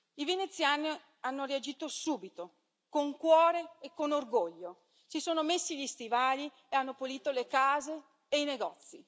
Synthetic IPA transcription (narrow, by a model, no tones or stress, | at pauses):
ivenet̪sːjaːni | anːoread͡ʒiːt̪osuːbit̪o | koŋkwɔːɾeːkːonorɡoʎːo | sisoːnomesːiʎist̪ivaːli | eanːopoliːt̪olekaːzeː | ijneɡɔt̪sːi